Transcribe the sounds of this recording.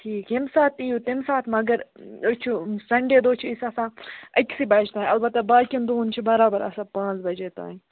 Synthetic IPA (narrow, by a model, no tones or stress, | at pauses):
ʈʰiːkɦimsaːt̪ijut̪imsaːt̪ʰmɐɡɐɾot͡ʃʰusɐɳɖeːd̪oːt͡ʃʰuisɐsãːɐkʲsibɐːt͡ʃt̪aːɦĩɐlbɐt̪ːɐbaːkʲind̪oːnt͡ʃʰibɐɾaːbɐɾɐ̰sãːpãːt͡sbɐd͡ʒeːt̪a̰ː